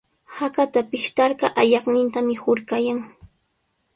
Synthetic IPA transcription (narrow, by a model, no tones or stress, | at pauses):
hakat̪apɪʃt̪ɑɾɢɑʔajɑχnɪnt̪amɪhʊɾɢajaŋ